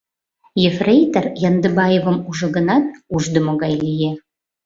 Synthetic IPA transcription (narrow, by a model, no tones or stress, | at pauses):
jefrejt̪ərjɑnd̪əbɑjevə̆muʒɤ̆ɣə̆nɑt̪̚uʒd̪ə̆moɣɑjlije